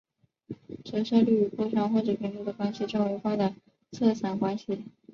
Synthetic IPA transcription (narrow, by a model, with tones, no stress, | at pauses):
ʈ͡ʂɤ˧˥ʂɤ˥˧ly˥˩˧pwɔ˥˧ʈ͡ʂʰɑ˥ŋxwɔ˥˩ʈ͡ʂɤ˧˩pʰi˧˥nʈ͡ʂu˧˥d̪ə˨˩kwa˥nɕi˨˩ʈ͡ʂɑ˥˩ŋwe˧˥ɪxwa˥˩d̪ə˩ | t͡sʰɤ˥˩sʰa˧˥nkwa˥nɕi˨˩